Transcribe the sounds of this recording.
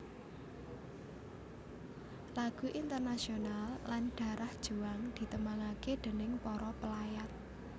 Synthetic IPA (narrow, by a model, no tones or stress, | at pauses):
laɡ̥ṳʔint̪ərnasionalːanɖ̥a̤ɾʔahd̥ʒ̥ṳaŋd̪̥i̤t̪əmaŋaked̪̥e̤nɪŋpɔɾɔpəlajat̪̚